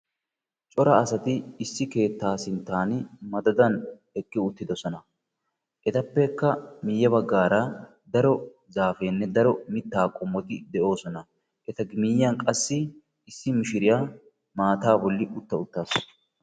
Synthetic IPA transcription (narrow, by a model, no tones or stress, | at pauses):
t͡ʃʼɔɾɐːsɐt̪ɪːsːɪke̞ːt̪ːaːsɪnt̪ːaːnmɐd̪ɐd̪ɐn | ɛkʼːɪʊt̪ːɪd̪ɔsɔnɐ | ʔɛt̪ɐpːɛkːɐmɪjːɐbɐɡːaːɾɐ | d̪ɐɾɔ | zaːfeːnːɛd̪ɐɾɔmɪt̪ːaːkʼɔmːɔt̪ɪd̪ɛʔo̞ːsɔnɐ | ʔɛt̪ɐɡɪmiːjːɐnkʼɐsːɪː | sːɪmɪʃɪɾɪjaː | maːt̪aːbɔlːɪʔʊt̪ːɐʊt̪ːaːs